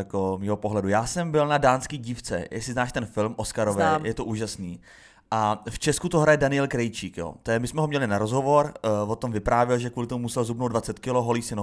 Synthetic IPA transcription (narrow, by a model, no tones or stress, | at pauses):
jakomiːɦopoɦlɛdujaːsɛmbɪlnadaːnskiːɟiːft͡sɛ̰jɛ̰ksɪznaːʃt̪ɛnfɪlmʔoskaɾovɛjɛt̪oʔuːʒasniː | ʔaft͡ʃɛskut̪oɦɾajɛdanɪɛlkɾɛjt͡ʃiːkjo̰ːt̪ojɛmɪsmɛɦomɲɛlɪnaɾozɦo̞vo̞ɾvot̪omvɪpɾaːvjɪlʒɛkvuːlɪt̪omumusɛlzubnowdvat͡sɛt̪kɪloɦoliːsɪno